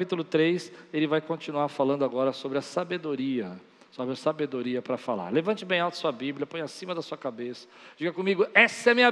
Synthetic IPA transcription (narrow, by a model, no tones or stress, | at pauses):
pit̪ʊlʊt̪ɾejselɪvajkõt͡ʃinuaɾfalɐ̃nd̪ʊaɡɔɾɐsobɾɪɐsabed̪oɾiɐ | sobɾɪɐsabed̪oɾiɐpɾɐfala̰ɾlevɐ̃nt͡ʃɪbẽj̃awt̪ɐ̥suɐbibljɐpõj̃ɐsĩmɐd̪ɐsuɐkabesɐ̥d͡ʒiɡɐkõmiɡʊɛsɐɛɐmĩɲɐ